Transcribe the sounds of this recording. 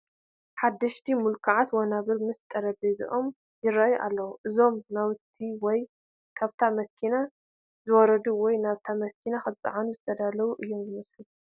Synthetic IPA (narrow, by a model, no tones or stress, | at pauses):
ħad̪ːɐʃt̪ʰimulkʰaʕat̪wanaβɨɾmɨst̪ʼɐɾɐbezḭʔom | jɪɾajʔa̰lːɐwuʔɨzo̞mnawt̪ʰːiwɔj | kʰaβt̪ʰamɐkʰːina | zɨwɔɾɐd̪uwɔjnaβt̪ʰamɐkʰinaxɨt͡sʼɨ̰ʕanuzɨt̪ʰɐd̪alɐβuʔɨjːo̞mzɨmɐslu